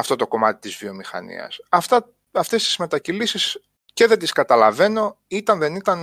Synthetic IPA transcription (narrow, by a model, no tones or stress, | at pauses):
ɐft̪o̞t̪o̞ko̞mɐt̪i̥t̪izvio̞mixɐ̰nḭɐ̰sɐft̪ɐ | ɐft̪e̞st̪i̥zme̞t̪ɐcilisis | ce̞ðe̞t̪iskɐt̪ɐlɐve̞no̞ | it̪ɐnðe̞nit̪ɐn